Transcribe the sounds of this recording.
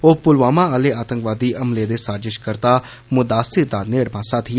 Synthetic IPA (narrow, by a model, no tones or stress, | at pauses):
oːpʊlʋaːmãːəleːaːt̪ə̃ŋkʋaːd̪iːʔəmleːd̪eːsaːzɪʃkəɾt̪aː | mʊd̪aːsɪɾd̪aːneːɽbãːsaːt̪ʰɪ